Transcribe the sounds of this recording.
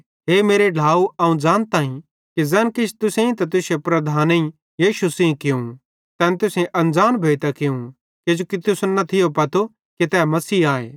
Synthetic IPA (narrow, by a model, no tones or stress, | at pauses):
ɦeːmeːɾeɖ̤ʱaːuɐũd͡ʒaːnt̪aːĩ | kizɛːnkɪt͡ʃʰt̪ʊsẽĩt̪ɐ̃t̪̬ʊsepɾɐd̪ʱaːnẽĩ | jiːʃusĩkɪũ | t̪ɛːnt̪ʊsẽʔɐ̃nd͡zaːnbʱeːt̪akɪũ | ked͡ʒoːkit̪ʊsnɐt̪ʰɪjopɐt̪ʰo | kit̪ɛːmɐsiːaːḛː